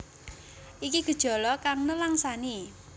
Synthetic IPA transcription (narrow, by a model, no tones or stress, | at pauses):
ʔikiɡ̥ə̤d̥ʒ̥ɔ̤lɔkaŋnəlaŋsani